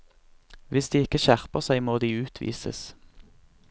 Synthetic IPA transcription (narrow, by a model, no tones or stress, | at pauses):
ʋɪsd̪iːɪkəʃæʁpəʁsæɪmoːd̪iːʉːt̪ʰʋḭːsə̰s